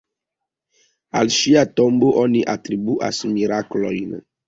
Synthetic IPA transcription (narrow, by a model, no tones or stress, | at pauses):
alʃiat̪ɔmboʔoniʔat̪ɾibuʔa̰smiɾaklɔjn